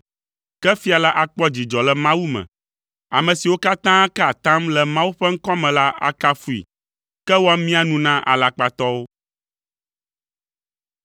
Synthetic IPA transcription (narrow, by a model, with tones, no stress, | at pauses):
kɛ˦fi˦a˨la˦ʔa˨k͡pɔ˦d͡ʑi˨d͡ʒɔ˨lɛ˨mã˦wu˦mɛ̰̃˨ | a˨mɛ̃˨si˨wo˦ka˦t̪ã˦kɛ˦a˨t̪ã˦mlɛ˨mã˦wu˦ɸɛ˦ŋ̩˦kɔ˦mɛ̃˨la˦ʔa̰˦ka˦fu˦ḭ˨ | kɛ˦wo˦a˦mĩ˦a˨nũ˨nã˦ʔa̰˨la˨k͡pa˨t̪ɔ˦wo˦